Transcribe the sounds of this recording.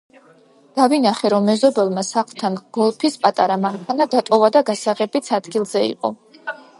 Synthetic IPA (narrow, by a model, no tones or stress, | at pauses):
d̪̥avinaχɛɾɔmːɛzɔbɛlˠmasaχlˠt̪ʰanɡ̥ɔlˠpʰispʼat̪ʼaɾamaŋkʰanad̪at̪ʼɔvad̪aɡasaʁɛbit̪sʰad̪ɡilˠzɛḭqʼɔ̰